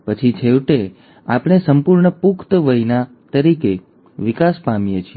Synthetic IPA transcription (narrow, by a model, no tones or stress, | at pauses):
pət͡ʃʰit͡ʃʰeʋʈe | a̰pɳ̃esəmpuɾɳəpukt̪ʋəɦina | t̪əɾike | ʋikaspamjet͡ʃʰie